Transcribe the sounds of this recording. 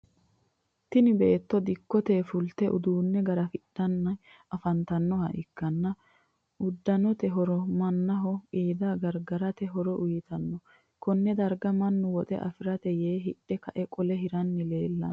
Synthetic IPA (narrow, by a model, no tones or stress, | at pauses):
t̪ɪnɪbe̞ːt̪ːɔd̪ɪkːɔt̪eːfʊlt̪ɛʔʊd̪uːnːɛɡɐɾɐfɪɗːɐnːɐj | ʔɐfɐnt̪ɐnːɔhɐʔɪkːɐnːɐ | ʊd̪ːɐnɔt̪ɛɦɔɾɔmɐnːɐɦɔʔiːd̪aːɡɐɾɡɐɾɐt̪ɛɦɔɾɔʔʊjɪt̪ɐnːɔ | kɔnːɛd̪ɐɾɡɐmɐnːʊwɔt̪ʼɛ̰ʔɐ̰fɪɾɐt̪ɛjeːɦɪɗːɛkɐʔɛkʼɔlɛɦɪɾɐnːɪleːlːɐ̰n